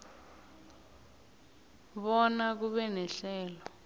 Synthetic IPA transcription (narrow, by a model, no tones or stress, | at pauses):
ɓɔnak̬uɓɛnɛɬɛːlɔ